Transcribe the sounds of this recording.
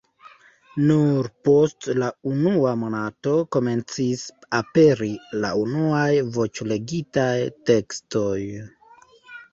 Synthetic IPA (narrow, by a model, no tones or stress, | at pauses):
nuɾpo̞stlaunuamo̞nato̞ko̞me̞nt͡sisape̞ɾila̰unuajvo̞t͡ʃle̞ɡitajte̞ksto̞j